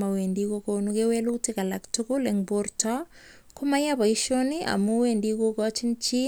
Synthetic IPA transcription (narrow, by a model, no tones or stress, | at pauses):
mawendikokonukewelutikalaktukuleŋboɾtɔ | kumajaβaiʃoniʔa̰muwendikokɔt͡ʃint͡ʃi